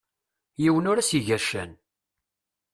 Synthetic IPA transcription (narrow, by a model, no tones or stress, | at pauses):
jiwənʊɾæsiʝæʃæ̰n